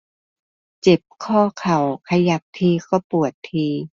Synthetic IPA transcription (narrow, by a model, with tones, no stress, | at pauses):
t͡ɕe˨˩p̚kʰɔː˥˩kʰa˨˩wkʰa˧ja˨˧˩p̚t̪ʰiː˧kʰɔ˧˩pu˨˩ət̪ʰːiː˧